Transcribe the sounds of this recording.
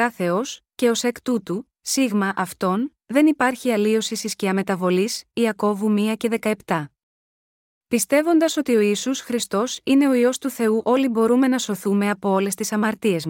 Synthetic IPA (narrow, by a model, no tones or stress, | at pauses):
ɐθe̞o̞sce̞o̞se̞kt̪ut̪u | siɣmɐʔɐft̪o̞n | ðe̞nipɐɾçiɐlio̞sisisciɐme̞t̪ɐvo̞lisiɐko̞vumiɐce̞ðe̞kɐe̞pt̪ɐ | pist̪e̞vo̞nd̪ɐso̞t̪io̞isusxɾist̪o̞sine̞o̞io̞st̪uθe̞uʔo̞libo̞ɾume̞nɐso̞θume̞ɐpo̞o̞le̞st̪isɐmɐɾt̪ie̞zm